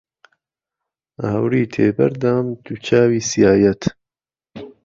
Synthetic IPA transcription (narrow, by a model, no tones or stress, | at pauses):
aːawɾiːt̪ʰeːbɐ̰ɾd̪aːmt̪ut͡ʃʰaːwiːsijaːjɛt̪